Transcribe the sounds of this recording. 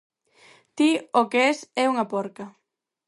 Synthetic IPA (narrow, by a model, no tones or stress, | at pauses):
t̪iokeɛsɛuŋɐpɔɾkɐ